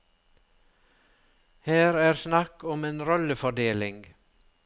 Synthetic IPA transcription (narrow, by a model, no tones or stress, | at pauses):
hæːɾæːɾsnɑkɔmeːnɾɔləfɔɖeːlɪŋɡ